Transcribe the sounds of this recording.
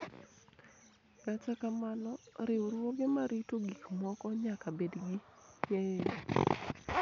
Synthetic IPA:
kat͡ʃakamanɔɾɪʊɾwoɡɪmaɾitoɡikmɔkɔɲakabedɡiɲe

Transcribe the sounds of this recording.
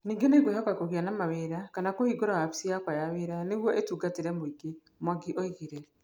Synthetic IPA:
niːŋɡenekwehɔkakoɣianamaweɾakanakohiɡoɾahapi̥siakwajaweɾaneɣwɔʔetuːɡateɾɛmoiɡe | mwaɡiʔoiɣeɾɛ

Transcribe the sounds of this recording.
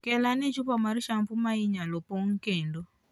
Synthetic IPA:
kɛlanɛt͡ʃupɔmaɾiʃampumaiɲalɔpoŋ̩kɛndo

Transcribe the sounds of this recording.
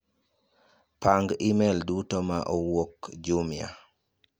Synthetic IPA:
paŋɡimeldutomaʔowokd͡ʒumja̰

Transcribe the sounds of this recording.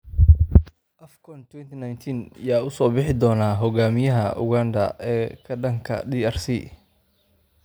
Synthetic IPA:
ʔɐfkʰɔnt̪ʰwɛnt̪ʰinajnt̪ʰinjaːʊsɔːbɪħɪd̪ɔːnaːɦɔɣaːmɪjɐɦɐʔʊ̰ɣand̪ɐ̰ɛːkʰɐɖɐŋkʰɐ̰diːɐrsḭ

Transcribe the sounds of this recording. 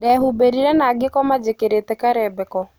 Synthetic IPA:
dɛɦubeɾiɾɛnaɡɪkɔmad͡ʒekeɾetɛkaɾɛbɛkɔ

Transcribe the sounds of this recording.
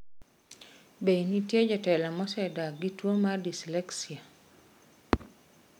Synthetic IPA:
benitjed͡ʒɔtɛlamɔsɛdaɡitwomadislɛksia

